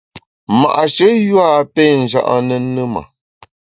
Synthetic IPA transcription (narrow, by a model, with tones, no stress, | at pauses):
ma̰˨ʔʃə˦jwa˦pɛ˦n̩˨d͡ʒa̰˦ʔa̰˦nə˦nə˦ma̰˨